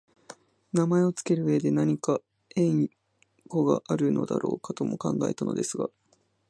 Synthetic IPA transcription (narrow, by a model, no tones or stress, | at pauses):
namae̞o̞t͡sɨ̥ke̞ɾɯ̟βe̞d̪e̞naɲ̟ika | ẽ̞ɰ | ko̞ɡa̰ʔaɾɯ̟nʔo̞̰d̪a̰ɾʔo̞̰ːkat̪o̞mo̞kã̰ŋɡae̞̰t̪ano̞̰d̪e̞sɨɡa̰